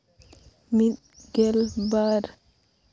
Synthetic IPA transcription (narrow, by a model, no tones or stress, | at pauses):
miɗ | ɡɛlbaɾ